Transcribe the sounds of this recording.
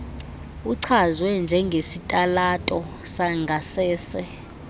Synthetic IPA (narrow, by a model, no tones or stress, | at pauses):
uǀʰazwɛnd͡ʒʱɛŋɡʱesitʼalatʼɔ | saŋɡʱasɛːsɛ